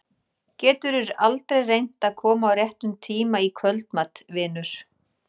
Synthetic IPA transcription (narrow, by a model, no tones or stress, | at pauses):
cɛːt̪ʏɾɪɾalt̪ɾejrejn̥t̪aðkʰɔːmaːwrjɛht̪ʏmt̪ʰiːmaikʰvœlt̪mat̪vɪːnʏɾ̥